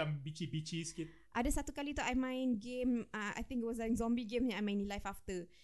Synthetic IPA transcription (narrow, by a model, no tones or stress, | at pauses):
ambit͡ʃibit͡ʃiskit | ʔadəsat̪ukalit̪uʔajmãjnɡemaa̰jt̪ĩŋkit̚wɔs̬lajkzɔ̃mbiɡẽmaajmãj̃nilajfaft̪ə